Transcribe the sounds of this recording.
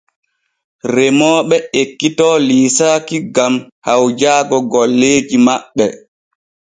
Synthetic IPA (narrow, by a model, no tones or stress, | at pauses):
rɛmɔːɓɛekːitɔliːsakiɡam | hawd͡ʒaːɡɔɡɔlːeːd͡ʒimaɓːɛ